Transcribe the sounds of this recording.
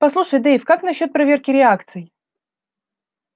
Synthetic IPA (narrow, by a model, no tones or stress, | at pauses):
pɐslˠuʂəjd̪ɛɪfkaknɐɕːo̞t̪̚pɾɐvʲe̞rkʲɪɾʲɪakt̪sɨj